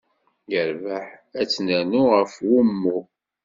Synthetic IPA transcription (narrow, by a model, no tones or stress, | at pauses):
jəɾvaħæt͡sːnænuʁəfwumːu